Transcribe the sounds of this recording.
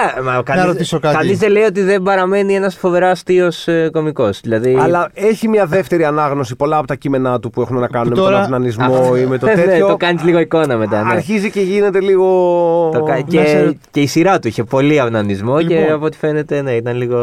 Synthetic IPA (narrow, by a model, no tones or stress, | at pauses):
ɐmɐkɐɾoisokɐkɐnizðeleiot̪̬iðe̞mbɐɾɐme̞nie̞nɐsfo̞ve̞ɾɐst̪io̞sko̞miko̞sðilɐðiɐlɐeçimɲɐðe̞ft̪e̞ɾiɐnɐɣno̞sipo̞lɐːpot̪ɐcime̞nɐt̪upuexunenɐkɐnunemoɾɐɐvnɐnizmoimet̪oteneot̪okɐnizliɣo̞iko̞nɐme̞t̪ɐneɾçiziceʝine̞t̪e̞liɣot̪okɐece̞isiɾɐt̪uiçepo̞liɐvnɐnizmo̞eɐpot̪i̥fe̞ne̞t̪e̞ne̞it̪ɐnliɣo